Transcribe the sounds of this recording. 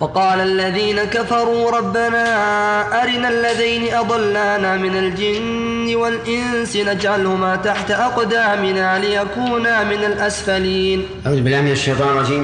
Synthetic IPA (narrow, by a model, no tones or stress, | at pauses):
fɑqɑːlaʔlːaðiːnakafɑɾˤuːɾˤɑbːanaːʔaɾɪnalːaðajnɪʔɑd̪ˤɑlːaːnaːmɪnald͡ʒɪnː | ɪwalʔɪnsɪnad͡ʒʕalhʊmaːt̪aħt̪aʔɑqd̪aːmɪnaːlɪjakuːnaːmɪnalʔasfaliːn | ʔaɾuːd̪bɪlʔamɪnaʃːejt̪ˤɑːnɾˤɑd͡ʒiːm